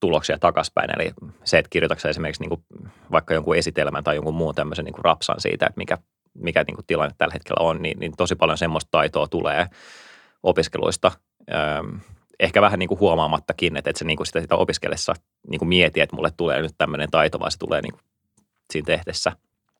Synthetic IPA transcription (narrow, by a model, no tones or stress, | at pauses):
t̪uloksiɑt̪ɑkɑspæ̰inḛlḭseːt̪kirjot̪ɑksɑesimerkiksniːŋku | ʋɑikːɑjoŋkuesit̪elmænt̪ɑjoŋkummuːnt̪æmːøsenḭːkurɑ̰psɑ̰nsḭːt̪æḛt̪mikæ | mikænḭːŋku̥t̪t̪ilɑnːet̪tælːhet̪kʰḛlʔæ̰onnḭnnḭnt̪osipɑljonsemːost̪t̪ɑit̪oːt̪ulḛː | opiskelṵist̪ɑ | əː | ehkæʋæhæniːŋkuhuɑmɑːmɑt̪ːɑkinːet̪et̪seniːŋkusi̥t̪æsit̪æo̰piskḛlʔesːɑ̰ | nʔiːŋkumiet̪iæet̪mṵlːet̪t̪ulḛːnyt̪t̪æmːønent̪ɑit̪oʋɑ̰ise̥t̪ṵlʔḛːnḭːku̥ | siːnt̪ehdesːæ